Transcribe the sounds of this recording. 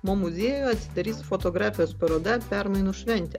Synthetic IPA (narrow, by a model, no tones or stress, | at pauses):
momʊzʲeːjjɐt̪sʲɪt̪ʲɛɾʲiːsfɔt̪ɔɡɾaːfʲɪjoːspɐɾoːd̪ʲɛpʲɛɾmɐɪnʊʃʲʋʲɛnʲt̪ʲɛ